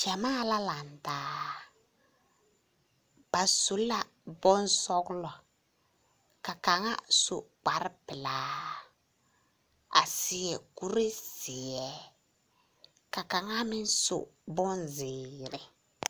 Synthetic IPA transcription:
d͡ʒa˨maː˦˨la˦la˨n˨daː˨˦ | b̥a˨so˨la˨ | bɔ˦n˦sɔ˦ɡlɔ˨ | ka˨ka˨ŋa˦so˨k͡pa˨ɾɪ˦pɪ˨laː˨˦ | a̰˨sɪ˨ɛ˨ku˦ɾe˦sɪ˨ɛ˨˦ | ka˨ka˨ŋa˦mɪ˦n˦sʊ̰˨bɔ˦nzɪː˨ɾɪ˨

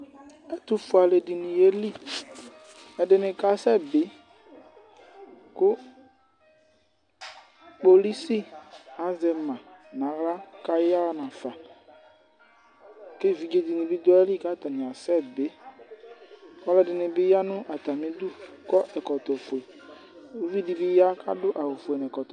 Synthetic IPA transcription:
ɛ˦tʊ˦fʊ˨a˨le˨dɪ˨nĩ˨e˦li˦˨ | ɛ˨dɪ˨nɪ̃˨ka˨sɛ˦bɪ˨˦ | kʊ˦ | k͡po˨li˦si˦a˨˦zɛ˨mã˨nã˨˦ɣla˦ka˦ja˦nã˨fa˨ | ke˦˨vi˨d͡ʒe˦di˨nɪ̃˨bɪ˦dɔ˦ɛ˦li˦˨ka˦˨t̪a˨nɪ̃˨a˨sɛ˦˨bɪ˨˦ | ɔ˦lɛ˦dɪ˨nɪ̃˨bɪ˦ja˦nʊ̃˦ʔa˨ta˨mɪ̃˦du˦kɔ˦ʔɛ˨kɔ˨t̪ɔ˨fo˨e˨ | o˦vi˦di˨bɪ˦ja˦ka̰˦dʊ˦ʔa˨wʊ˨fʊ˨ɛ˨n˨ɛ˨kɔ˨t

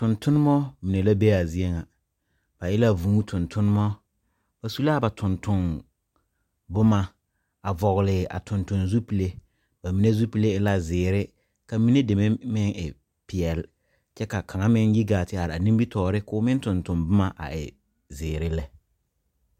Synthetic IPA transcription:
tʊ˨ntʊ˦nɪ˦mɔ˦mi˨ne˨la˦be˦a˨zi˦e˦ŋa˨ | b̥a˨jɪ˦la˦˨vu˨ŋu˦tʰʊ˨ntʰʊ˦n˦mɔ˦ | b̥a˨su˦la˦ba˨tʰʊ˨ntʊ˨n | bʊ˦ma˦ | a˨vɔ˨ɣʊ˨lɪ˨ʔa̰˨tʰʊ˨ntʊ˨nzu˦pi˨le˦ | ba˨mi˦ne˦zu˦pi˨le˦ɪ˦la˦zɪː˨ɾɪ˦ | ka˨mi˦ne˦de˨me˦mɪ˦ŋɪ˨ | pɪ˨ɛ˨l | t͡ʃɛ˦ka˨kʰa˨ŋa˦mɪ˦nji˦ɡaː˨tɪ˦a˨ɾa˨ni˦mbi˦tʰɔː˨ɾɪ˦kʊː˦mɪ˦n˦tʊ˨ntʊ˨nbʊ˦ma˦ʔa̰˨ɪ̰˨ | zɪː˨ɾɪ˦lɛ˦

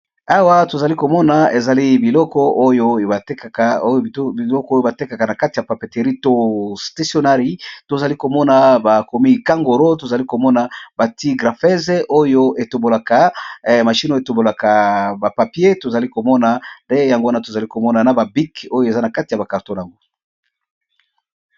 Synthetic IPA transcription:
a˦wa˦to˨za˨li˦ko˨mɔ˦na˨e˨za˨li˦bi˨lɔ˦kɔ˦o˦jo˦˨a˨te˦ka˨a˨˦i˨lɔ˦kɔ˦jo˦ba˨te˦ka˨ka˨na˨ka˦ti˨ja˨pa˨pe˨te˨ʁi˦to˦sta˦sjo˦na˦ʁi˦to˨za˨li˦ko˨mɔ˦na˨ba˨ko˨mi˦˨ka˦ŋɡo˨ɾo˦to˨za˨li˦ko˨mɔ˦na˨ba˨ti˦ɡʁa˨fɛ˦ze˦ʔo˦jo˦e˨to˨bo˨la˨ka˨ma˨ʃi˦no˦e˨to˨bo˨la˨ka˨ba˨pa˨pje˦to˨za˨li˦ko˨mɔ˦na˨nde˦ja˨ŋɡo˦wa˦na˨to˨za˨li˦ko˨mɔ˦na˨na˨ba˨bi˦ko˦jo˦e˨za˦na˨ka˦ti˨ja˨ba˨ka˨ʁto˦n˨a˨ŋɡo˦

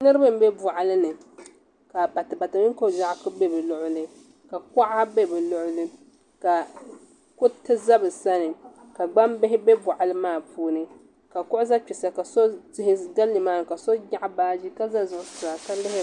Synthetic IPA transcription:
nɨ˦ɾɨ˦ba˦m̩˦bɛ˦bɔ˨ʔa˨lɨ˦nɨ˨ | ka˨ba˨tɨ˨ba˨tɨ˨mɪ˦ŋ˦ko˦˨ʒa˦ʔkɨ˦be˦bɛ˨lʊ˨ʔʊ˦lɨ˨ | ka˨kɔ˦ʔa˦be˦bɛ˨lʊ˦ʔʊ˦lɨ˦ | ka˨ | kʊ˦tɨ˦za˦bɨ˨sa˦nɨ˨ | ka˨ɡ͡ba˦mbɪ˦ɦɪ˦be˦bʊ˨ʔa˨lɨ˦maː˦˨pʰuː˦nɨ˨ | ka˨kʊ˦ʔʊ˦za˦k͡pi˨sa˨ka˨so˦zɪ˦hɪ˦da˦lːɨ˨maː˦˨nɨ˨ka˨so˦ɲa˦ʔbaː˦d͡ʒi˦ka˦za˦zʊ˨ʔʊ˦sʊ˨ɾa˨ka˦lɪ˦hɪ˦

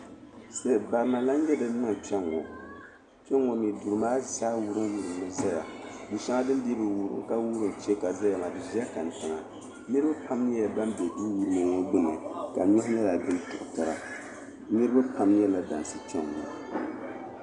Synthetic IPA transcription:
se˦˨ba˨ɾma˨la˦n˦ɲɛ˦dɨ˦n˦nɨ˦ŋ˨t͡ʃɛ˦ŋːɔ̰˨ | t͡ʃɛ˦ŋːɔ˨mi˨du˨ɾɨ˨maː˦saː˦wu˦ɾɨ˦ŋwu˨ɾɨ˨m˨nɨ˦za˦ja˨ni˨ʃa˦ŋa˦dɨ˦n˦di˦bɨ˨wu˦ɾɨ̰˦ŋka˦wu˦ɾɨ˨n˨t͡ʃɛ˦ka˨za˦ja˨ma˨dɨ˨zi˦a˦ka˨n˨tɨ˨ŋa˨ | nɨ˦ɾɨ˦ba˦pʰa˦mni˦a˨ba˦nbɛ˨di˦wu˦ɾɨ˦mɨ˨ŋo˦ɡ͡bɨ˦nɨ̰˨ka˨ɲɔ˦hɲɛ˦la˨dɨ˦ntʊ˨ʔʊ˨ta˨ɾa̰˨ | nɨ˦ɾɨ˦ba˦pa˦mɲ˦ɛ˦la˦da̰˨n˨sɨ˨t͡ʃɛ˦ŋːɔ̰˨

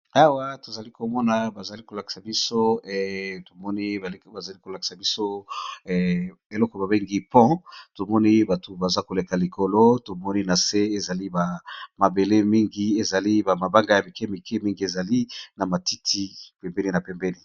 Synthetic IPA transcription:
a˦wa˦to˨za˨li˦ko˨mɔ˦na˨ba˨za˨li˦ko˨la˨ki̥˨sa˨bi˦so˦ɛ˨to˨mɔ˦ni˦˨˦ba˨za˨li˦ko˨la˨ki̥˨sa˨bi˦so˦˨ | e˨lɔ˦kɔ˨ba˨be˦ŋɡi˦pɔ̃˦to˨mɔ˦ni˦ba˨to˨ba˨za˦ko˨le˨ka˨li˨kʰo˨lo˦to˨mɔ˦ni˦na˨se˦e˨za˨li˦ba˨ma˨be˨le˦mi˦ŋɡi˦e˨za˨li˦ba˨ma˨ba˦ŋɡa˨ja˨mi˨ke˦mi˨ke˦mi˦ŋɡi˨˦e˨za˨li˦na˨ma˨ti˦tʰi˦pɛ˨mbɛ˦ni˦na˨pe˨mbɛ˦ni˨

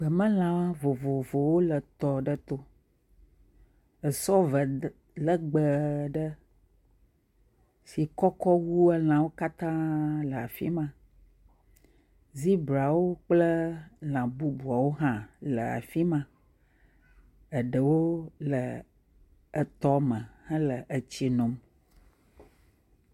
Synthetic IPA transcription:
ɡ͡bə˨mə̃˦l̃ã˨vo˨vo˨vo˨wo˦lə˨t̪ɔ˨ɖə˦t̪o˦ | ə˨sɔ˦və˨ | lə˦ɡ͡bə˨ɖə˦ | si˨kɔ˦kɔ˦wu˦ə˦l̃ã˨wo˦ka˦t̪ã˦lə˨a˨fḭ˦mã˨ | zi˦bɾa˨wo˦k͡plə˦lã˨bu˦bu˨a˨wo˦ɦã˦lə˨a̰˨fi˦mã˨ | ə˨ɖə˨wo˦lə˨ | ə˨t̪ɔ˦mə̃˨hə̃˦lə˨ʔə˨t͡ɕi˦nɔ̃˨m

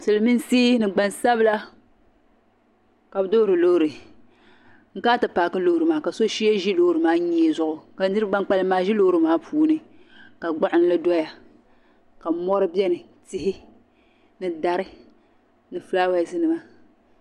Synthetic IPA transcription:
sɨ˨lɨ˨mi˦n˦siː˦nɨ˨ɡ͡ba˨nsa˦bɨ˦la˦ | ka˨bɨ˦do˦ɾɨ˨lo˦hɾɨ˨ | ŋ̩˦kaː˦tɨ˨paː˨kɨ˦lo˦ɾɨ˨maː˨˦ka˨so˦ʃi˦je˦ʒi˦lo˦ɾɨ˨maː˦ɲɛː˦˨zʊ˦ʔʊ˨ka˨˦nɨ˦ɾɨ˦ɡ͡ba˦ŋ˦k͡pa˦lɨ˦maː˦ʒi˦lo˦ɾɨ˨maː˦pʰuː˦nɨ˦ | ka˨ɡ͡ba˦ʔɪ˨n˦lɨ˦dɔ˦ja˨ | ka˨˦mɔ˦ɾɨ˦bjɛ˦nɨ˨ | ti˦ɦɪ˦ | nɨ˨da˨ɾɨ˦ | nɨ˨flaː˦wa˦˨sɨ˦nɨ˨ma˨

